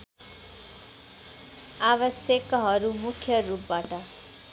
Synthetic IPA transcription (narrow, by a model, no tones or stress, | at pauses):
abʌsjekɦʌɾumukʰːjʌrup̚baʈʌ